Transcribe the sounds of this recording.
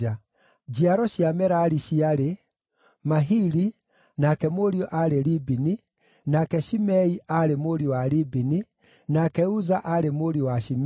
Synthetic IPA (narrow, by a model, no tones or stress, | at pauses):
a | d͡ʒiaɾɔɕiamɛɾaɾiɕiaɾe | maɦiɾi | nakɛmoɾiɔʔaɾeɾibini | nakɛʃimɛiaɾemoɾiɔwaɾibini | nakɛuzaʔaɾemoɾiɔwaʃim